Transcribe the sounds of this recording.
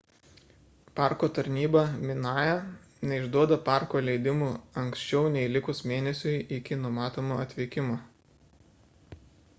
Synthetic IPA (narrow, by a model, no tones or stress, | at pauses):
pɑˑɾkoːt̪ɐɾʲnʲiːbɐmʲɪnɑːjɛ | nʲɛɪʒd̪uɔd̪ɐpɑˑɾkoːlʲɛɪd̪ʲɪmuːɐŋʲksʲt͡ʃʲɛʊnʲɛilʲɪkʊsmʲeːnʲɛsʲʊjɪkʲɪnʊmɑːt̪oːmoːɐt̪ʲʋʲikʲɪmoː